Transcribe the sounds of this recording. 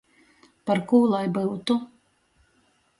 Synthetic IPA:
paɾkuːlˠajbɨwt̪u

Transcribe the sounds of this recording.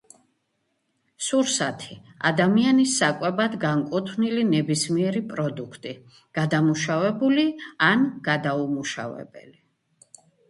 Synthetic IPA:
suɾsat̪ʰi̥a̰d̪amianisːakʼwɛbad̪ɡaŋkʼut̪ʰvnilinɛbismiɛɾipʼɾɔd̪ukʰt̪ʼi | ɡ̥ad̪amuʃavɛbulianɡad̪aumuʃa̰vɛ̰bɛ̰li

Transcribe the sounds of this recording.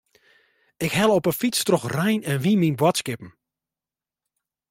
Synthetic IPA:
ɪkhɛlˠɔpəfit͡strɔxrɛjnɛnʋiminbwɔtskɪpn̩

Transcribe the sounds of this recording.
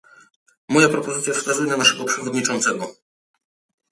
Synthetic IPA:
mɔjapɾɔpɔzɘt̪sʲjafskazujɛnanaʂɛɡɔpʂɛvɔd̪ɲit͡ʂɔnt̪sɛɡɔ

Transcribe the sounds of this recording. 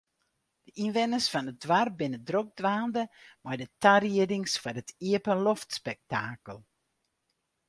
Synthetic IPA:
d̥əʔinʋɛnəsfɑnədʋarbɪnədrok̚dʋaːndəmajdətariədɪŋsfarətʰiəpənloftspɛk̚taːkəlˠ

